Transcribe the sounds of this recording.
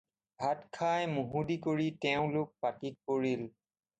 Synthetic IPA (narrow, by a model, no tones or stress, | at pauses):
bʱatkʰajmuɦudikoɹitɛʊ̃lʊk̚patik̚koɹil